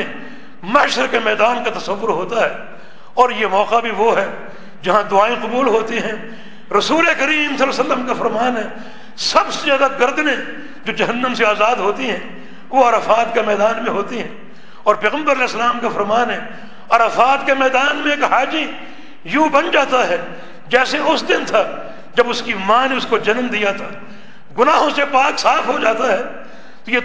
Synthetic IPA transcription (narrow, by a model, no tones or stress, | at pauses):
mɐʃəɾkemɛːd̪aːnkat̪ɐsɐʋːʊɾɦoːt̪aɦɛː | ɔːɾjemɔːqabʱiʋoɦɛ | d͡ʒɐɦãd̪ʊaːẽqʊbuːlɦoːt̪iɦɛ̃ | ɾɐsuːlekɐɾiːmsɐlːaːsɐlːəmkafɐɾmaːnɦɛ | sɐbsezjaːd̪aɡɐɾd̪nẽ | d͡ʒoːd͡ʒɐɦənːəmseaːzaːd̪ɦoːt̪iɦɛ̃ | ʋoɐɾɐfaːt̪kemɛːd̪aːnmẽɦoːt̪iɦɛ̃ː | ɔːɾpɛːɣə̃mbəɾɐlɛːɪsːəlaːmkafɐɾmaːnɦɛː | ɐɾɐfaːt̪kemɛːd̪aːnmẽeːkhaːd͡ʒi | jũːbɐnd͡ʒaːt̪aɦɛː | d͡ʒɛːseʊsd̪ɪnt̪ʰa | d͡ʒɐbʊskimãːneʊskod͡ʒɐnmd̪ijat̪ʰaː | ɡʊnaːɦõsepaːksaːfɦod͡ʒaːt̪aɦɛː | t̪oje